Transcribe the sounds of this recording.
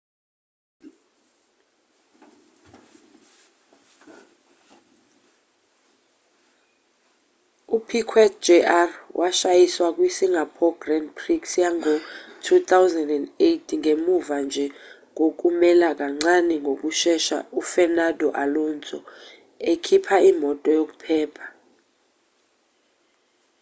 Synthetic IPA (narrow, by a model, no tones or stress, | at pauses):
upʰikʰwɛt̚d͡ʒɛʔarwʔaʃajiswak̬ʼwisiŋʱapʰɔɡ̥rɛnpʰriksjaŋɔtʰut̪ʰawzandɛndejtʰŋʱemuvand͡ʒʱɛ | ŋok̬ʼumɛlak̬ʼaŋ͡ǀanɛŋɡʱok̬ʼuʃɛʃa̰ufɛnadʱɔʔalɔnt͡sʼɔ̰ | ekʰipʰaimɔtʼɔjok̬ʼu̥pʰɛːpʰḁ